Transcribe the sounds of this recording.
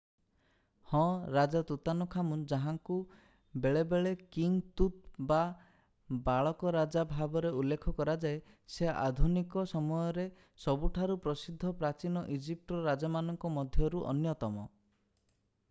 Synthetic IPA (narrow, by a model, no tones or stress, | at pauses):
hɔ̃ɾad͡ʒat̪ut̪anukʰamund͡ʒaɦaŋku | beɭebeɭekiŋt̪ut̪̚ba | baɭɔkɔɾad͡ʒabʱabɔɾeulːekʰɔkɔɾad͡ʒae | seʔa̰d̪ʱunikɔsɔmɔjɔɾe | sɔbuʈʰaɾupɾɔsid̪ʱːɔpɾat͡ʃinɔʔid͡ʒip̚ʈɔɾad͡ʒamanɔŋkɔmɔd̪ʱjɔɾuʔɔ̰njɔt̪ɔmɔ